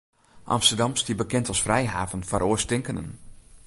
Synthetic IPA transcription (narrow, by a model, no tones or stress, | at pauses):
ʔɑ̰mstərdɑmsdiəbəkɛntɔsfrɛjɦaːvənfaɾʔoəstɪŋkənə̰n